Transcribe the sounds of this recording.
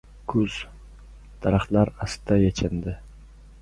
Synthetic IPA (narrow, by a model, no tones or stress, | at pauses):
kʰɵz̥ | d̪̥aɾaχlaɾast̪ʰajat͡ʃʰand̪ɪ